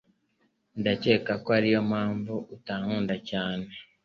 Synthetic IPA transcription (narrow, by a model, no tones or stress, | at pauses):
ndace̞ːkakoaɾijo̞mhaːɱvuʔutaːŋuːndacaːne̞